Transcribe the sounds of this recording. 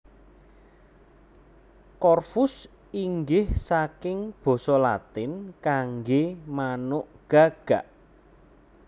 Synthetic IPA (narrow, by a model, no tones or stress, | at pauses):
kɔrfʊs | iŋɡɪhsakɪŋb̥ɔ̤sɔlat̪ɪnkaŋɡemanʊʔɡ̥a̤ɡ̥a̤ʔ